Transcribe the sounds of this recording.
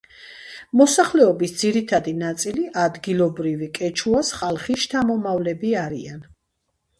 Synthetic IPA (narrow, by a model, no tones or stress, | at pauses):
mɔsaχlɛɔbisd̪ziɾit̪ʰad̪inat̪sʼiliʔad̪ɡilˠɔbɾivikʼɛt͡ʃʰuasχalˠχist̪ʰamɔmavlɛbiaɾian